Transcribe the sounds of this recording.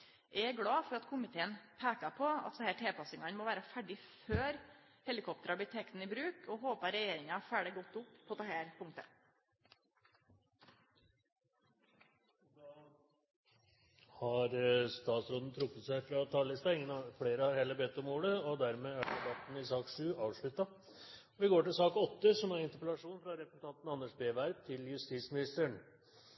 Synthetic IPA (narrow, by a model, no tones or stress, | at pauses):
ʔɛɡɽɑːfɔɾɑt̪kʰʊmɪt̪ʰeːənpʰæːkɑpʰɔɑ̰t̪d̪ɛhæːʈʰɛːpɑsɪŋɑnmoːʋæːɾəfæɖɪføːɾ | hɛlɪkʰɔp̚t̪əɾɑbɪt̪ʰɛkt̪n̩ɪːbɾʉːkʰɔhoːpɑɾɛjeːɾɪŋɑfæːɖəɡɔt̪ːʊpːpʰɔd̪ɛhæːɾpʰʊŋt̪ə | d̪ɑː | hɑɾst̪ɑːt̪sɾoːd̪n̩t̪ʰɾʊkːət̪sæɪfɾɑt̪ʰɑːllɪst̪ɑɪŋːənfleːɾəhɑɾheːləbɛt̪ːɔmoːɽəɔd̪æɾmeːæɖ̪ɛbɑt̪n̩ɪsɑːkʂʉːɑːʋʂɭʉt̪ːɑ | ɔʋɪɡoːʈɪlsɑːkɔt̪ːəsɔmæɾɪnt̪əɾpəlɑʂuːnfɾɑɾɛpət̪ʰɑnt̪n̩ɑnːəʂbeːʋæɾb̚t̪ʰɪljʉst̪iːsmɪnɪst̪əɾəɳ